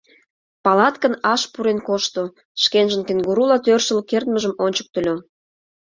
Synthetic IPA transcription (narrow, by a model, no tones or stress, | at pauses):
pɑlɑt̪kənɑʃpuɾenkoʃt̪o | ʃkenʒə̆nkenɡuɾulɑt̪ørʃə̆lkert̪məʒəmonʲt͡ɕə̥k̚t̪ə̆lʲo